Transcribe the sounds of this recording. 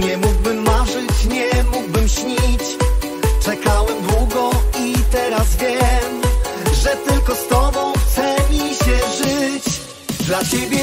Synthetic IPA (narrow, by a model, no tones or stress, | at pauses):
ɲɛmuɡ̚bɘmːaʐɘt͡ɕɲɛmuɡ̚bɘmɕɲit͡ɕ | t͡ʂɛkawɛmbwuɡɔit̪ɛɾazvʲjɛm | ʐɛt̪ɘlkɔst̪ɔbɔ̃w̃xt̪sɛmʲiɕɛʐɘt͡ɕ | d̪lat͡ɕebʲjɛ